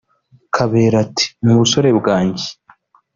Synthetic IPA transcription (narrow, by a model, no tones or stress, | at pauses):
kʰaβe̞ːɾatʰi̥nuβuso̞ɾe̞bɡaːɲɟe̥